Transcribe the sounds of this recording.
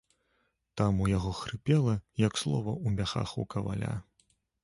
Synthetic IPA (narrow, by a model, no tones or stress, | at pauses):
t̪amujaɣɔxɾɨpʲɛlˠɐjɐkslˠɔvɐʔumʲaxa̰xukɐva̰lʲa̰